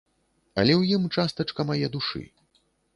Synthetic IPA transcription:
ɐ̰lʲɛwjimt͡ʂast̪ɐt͡ʂkɐmajɛd̪uʂɨ̰

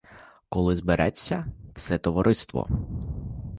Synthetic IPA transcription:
kɔlˠɪzbɪɾʔɛt͡sʲːɐw̥sɛt̪ɔʋɔɾɪst̪ʋɔ̰

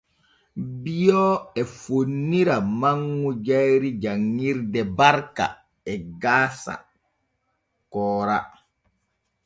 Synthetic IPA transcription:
bijɔɛfonːiɾamaŋːud͡ʒajɾid͡ʒaŋːiɾdɛbaɾka̰ | ɛɡaːsa̰ | kɔːɾa̰

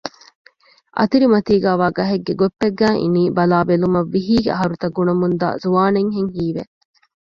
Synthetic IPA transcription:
ʔɐ̰t̪iɾimɐt̪iːɡæːʋaːɡɐɦeɡːeɡopːeɡːæːʔḭniːbɐlaːbelumɐʋːiɦiːɡeɐɦɐɾut̪ɐɡːunɐmund̪a̰ːzuʋaːneŋɦeŋɦiːʋe

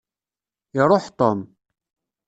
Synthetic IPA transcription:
ɪɾˤoħt̪ˤom

